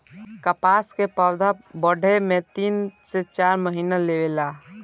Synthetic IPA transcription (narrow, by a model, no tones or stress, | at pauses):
kəpaːskepawd̪ʱabəɽʱemẽt̪iːnset͡ʃaːɾməɦiːnaleʋela